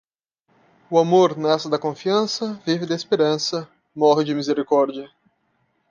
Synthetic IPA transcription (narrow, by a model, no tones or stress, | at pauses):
ʊamoɾnɛsɪd̪ɐkõfiɐ̃sɐvivɪd̪ɪespeɾɐ̃sɐ | mɔɦɪd͡ʒɪmizeɾikɔɾd͡ʒiɐ